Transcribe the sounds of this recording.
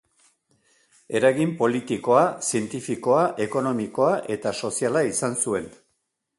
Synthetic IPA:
e̞ɾaɣimpo̞lit̪iko̞asie̞nt̪ifiko̞aʔe̞ko̞no̞miko̞aʔe̞t̪aso̞sialaisansue̞n

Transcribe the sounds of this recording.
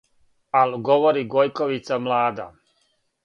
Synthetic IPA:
alɡoʋoɾiɡojkoʋit̪samlaːd̪a̰

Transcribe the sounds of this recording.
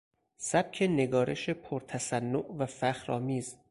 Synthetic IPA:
sæb̥̚cʰe̞ne̞ɡɒːɾʔe̞̰ʃepʰoɾt̪ʰæsænːoʔvæfæxɾɒːmiːz

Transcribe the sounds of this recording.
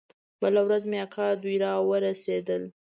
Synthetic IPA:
bəlawɾazmeakɑd̪ujɾɑwəɾased̪əl

